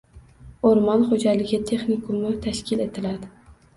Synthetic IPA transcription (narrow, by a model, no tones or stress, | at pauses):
oɾmɒnχod͡ʒalɪɡʲɪt̪ʰe̞χnɪkʰʊmʊt̪ʰaʃkʲɪle̞t̪ʰɪlad̪ɪ